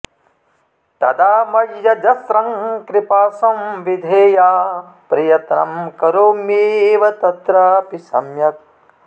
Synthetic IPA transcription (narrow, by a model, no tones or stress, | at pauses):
t̪ɐ̰d̪aːmɐɡjɐd͡ʒɐsɾɐŋkɾɪpaːsɐmʋid̪ʱeːjaː | pɾɐjɐt̪nɐmkɐɾoːmeːʋɐt̪ɐt̪ɾaːpisɐ̰mjɐk̚